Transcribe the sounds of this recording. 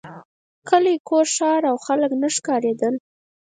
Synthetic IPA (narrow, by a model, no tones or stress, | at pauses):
kəlikoɾʃɑɾawxaləknəʂkɑɾed̪əl